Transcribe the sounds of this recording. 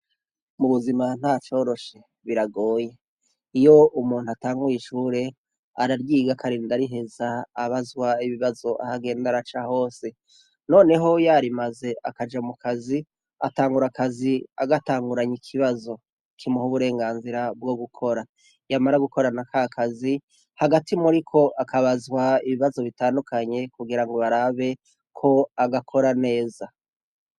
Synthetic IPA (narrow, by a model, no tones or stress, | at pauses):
muβuziman̥haːt͡ʃo̞ːɾo̞ʃe̞ | βiɾaɡo̞ːje̞ | ijo̞ʔumuːn̥uataːŋɡujiʃuːɾe̞ | a̰ɾaɾɡiːɡakʰaɾiːndaɾiɦe̞zaːβazwaiβiβazo̞ʔa̰haɡe̞ːndaɾat͡ʃaho̞ːse̞ | no̞ːne̞ɦo̞jaɾimaze̞ʔa̰kad͡ʒamukʰazi | ataːŋɡuɾakazia̰ɡataːŋɡuɾaɲikʰiβazo̞ | kʰimuhuβuɾe̞ːŋɡaːnziɾabɡo̞ɡukʰo̞ɾa | jamaɾaɡuko̞ɾanakʰakʰazi | haɡatʰimuɾikʰo̞ʔakʰaβazwaiβiβazo̞βitaːndukaɲe̞kuɡiɾaŋɡo̞βaɾaβe̞ | kʰo̞aɡakʰo̞ɾane̞ːza